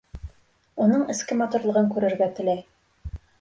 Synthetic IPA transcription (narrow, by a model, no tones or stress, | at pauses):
unɤɴɘ̆skɘmɑt̪uɾlˠɤ̆ʁɤŋkʉɾɘ̆ɾɡæt̪ɘ̆læj